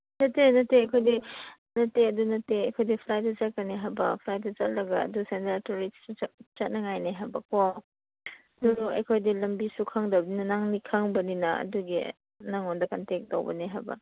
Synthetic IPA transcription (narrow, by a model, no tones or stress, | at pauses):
nɐtːenɐtːeɐjkʰojdi | nɐtːeɐdunɐtːeɐjkʰojdipʰlaj̚dɐt͡ʃɐkɐniɦajbɐpʰlaj̚dɐt͡ʃɐt̚lɐɡɐ̰ːdusentɾatoɾit͡ʃɐt̚nɐŋajneɦajbɐko | duɾuɐ̰jkʰojdilɐmbisukʰaŋdɐbɐninɐnaŋnikʰaŋbɐninɐɐ̰duɡi | naŋondɐkɐntek̚to̰wbɐ̰niɦajbɐ̰